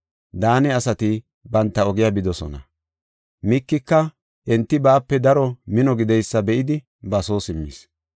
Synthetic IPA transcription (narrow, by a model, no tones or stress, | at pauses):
d̪aːnɛɐsɐt̪ɪ | bɐnt̪ːɐɔɡɪjabɪd̪ɔsɔ̰nɐ̰ | mɪkːɪkːɐ | ʔɛnt̪ːɪbaːpːɛd̪ɐɾɔmɪnɔɡɪd̪ɛjsːɐbɛʔɪd̪ɪ | bɐso̞ːsɪmːḭːs